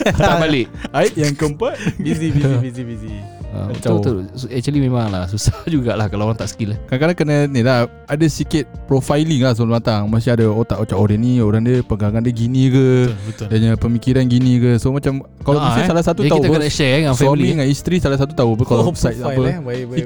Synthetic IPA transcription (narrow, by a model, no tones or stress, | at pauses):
tabalɪʔaiʔjaŋkəmpat̪̚biziiiizibiziə̰tat̪oɛk̚t͡ʃəlimẽmaŋlahsusahd͡ʒuɡaʔlahkalaoɾaŋt̪aʔsə̥kilakakaɾaŋkənanilah | adasikɪt̪̚pɾofajliŋlahs̬əlant̪aŋmas̬iadaot̪aʔot͡ʃaʔodənĩoɾaŋdiəpəɡaŋandiəɡinĩkəədaɲapəmikiɾanɡinikəsomãt͡ʃam | kalamasissalasat̪uaiut̪pəknaʃɛɛŋasamiŋanist̪ɾisalasat̪ut̪aup̬əkalpsajt̪̚apə